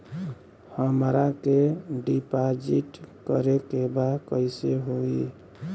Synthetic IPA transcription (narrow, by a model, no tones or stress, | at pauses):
həmɾakeɖipad͡ʒiʈkəɾekebakəɪseɦoi